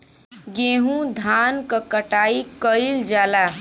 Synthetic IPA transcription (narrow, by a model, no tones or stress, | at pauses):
ɡeɦũd̪ʱankəkəʈaikəɪld͡ʒala